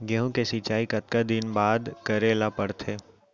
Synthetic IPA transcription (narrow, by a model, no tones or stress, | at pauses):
ɡɛɦũkesit͡ʃaːikɐt̪̚kad̪ɪnbaːd̪kɐɾeːlapɐɽt̪ʰeː